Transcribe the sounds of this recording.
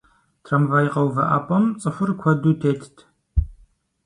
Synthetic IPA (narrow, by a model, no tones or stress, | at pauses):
tʰrɐmvaːjqɐwvɐʔa̰ːpʷʼɐmt͡sʼɨħʷʊrkʷʰɔduːtʰeːtʰtʰ